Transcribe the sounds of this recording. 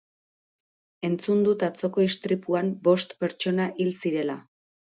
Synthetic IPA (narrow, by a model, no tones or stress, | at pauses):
e̞nt͡sund̪ut̪at͡so̞ko̞ist̪ɾipuambo̞st̪pe̞ɾt͡ʃo̞naʔilsiɾe̞la